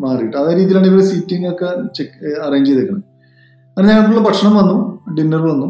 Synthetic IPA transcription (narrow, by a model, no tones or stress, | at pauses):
maːrijiʈːɨɐðaːɾiːðijilaːɳiʋɐɾesiːtːiŋokːet͡ɕekɐreːɲd͡ʑejðekʲːɐɳɐm | ɐnːɲɐŋːɐɭʈːuɭːɐpɐʈʂɐɳɐmʋɐnːuɖinːɐrʋɐnːu